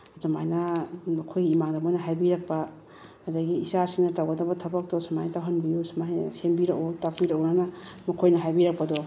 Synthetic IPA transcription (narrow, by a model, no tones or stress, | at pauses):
dama̰jnamɐkʰojɡiːmaŋdɐmojnɐɦajbiɾɐk̚paː | dɐɡiːsasiŋnɐtawɡɐdɐbɐtʰɐbɐk̚tɔsmajntawɦanbijusmajn̰sembiɾɐkotak̚biɾɐkonanamɐkʰojnɐɦajbiɾɐk̚pɐdɔ